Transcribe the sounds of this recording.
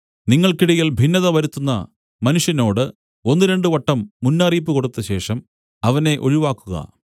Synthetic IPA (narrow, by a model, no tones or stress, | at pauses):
niŋːɐɭkiɽɐjilbʱinːɐðɐʋɐɾut̪ːunːɐ̰ | mɐnuʂjɐno̞ːɽɨ | o̞nːɨɾe̞ɳɖɨʋɐʈːɐmːunːaːriːp̬ːɨko̞ɽut̪ːɐɕe̞ːʂɐm | ɐʋɐne̞ʔo̞̰ɻiʋaːkːuɣɐ̰